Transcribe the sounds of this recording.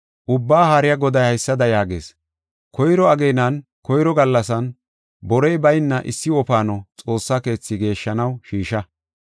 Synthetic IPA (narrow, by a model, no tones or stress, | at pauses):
ʔʊbːaːɦaɾɪjɐɡɔd̪ɐjhɐjsːɐd̪ɐjaːɡe̞̰ːs | kɔjɾɔɐɡejnɐn | kɔjɾɔɡɐlːɐsɐn | bɔɾɛjbɐjɪnːɐʔɪ̰sːɪɔpaːnɔt͡sʼo̞ːsːake̞ːt͡sːɪɡe̞ːʃːɐnɐwʃiːʃɐ